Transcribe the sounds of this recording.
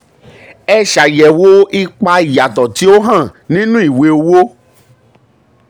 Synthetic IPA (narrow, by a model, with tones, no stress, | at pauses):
ɛ˧ʃa˨jɛ˨wo˦i˦k͡pa˧i˨ja˨tɔ˨ti˨˦o˦ɦã˦˨nĩ˦nũ˦i˦˨we˧o˧wo˦